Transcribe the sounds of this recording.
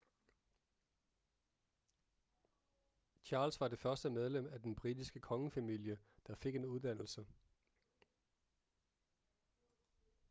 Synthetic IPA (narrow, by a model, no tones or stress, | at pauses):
t͡ɕʰɑ̈ːlsʋɑ̈de̝fɶɐsd̥əmeð̞ˠlem̰æd̥enb̥ʁidisɡ̥əkʰɒ̽ŋəfæmil̰jəd̥ɑ̈fe̝ɡ̥e̝nuð̞ˠd̥æn̰l̩sə